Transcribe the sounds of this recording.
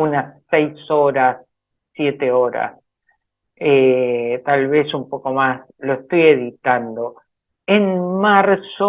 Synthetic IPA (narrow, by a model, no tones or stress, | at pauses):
unasːejsoɾasː | jet̪eo̞ɾa̰s | et̪alβe̞sumpo̞ko̞mas | loest̪ojeðit̪and̪o̞ | enmaɾso